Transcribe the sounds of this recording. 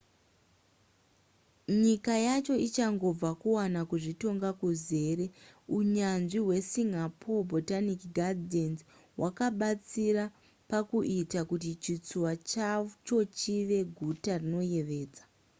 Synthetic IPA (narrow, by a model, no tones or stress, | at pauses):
ɲikajat͡ʃo̞it͡ʃaŋɡo̞b͡vakuwanakuʐito̞ŋɡakuze̞ːɾe̞uɲanʐiɦwe̞siŋapʰobʱotanikɡʱadienz | wʔakaɓat͡siɾa | pakuʔitakutit͡ʃit͡suwat͡ʃat͡ʃo̞t͡ʃiʋe̞ɡʱutarino̞je̞ʋe̞ːd͡zḁ